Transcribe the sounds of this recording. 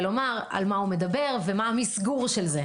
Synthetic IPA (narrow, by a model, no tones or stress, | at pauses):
lo̞maʁa̰lmaume̞d̪abe̞ʁvemaamisɡuʁʃelze